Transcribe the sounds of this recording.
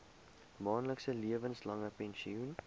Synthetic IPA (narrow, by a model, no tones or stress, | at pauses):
mɑːnləksəliəvənslɐŋəpɛnʃiun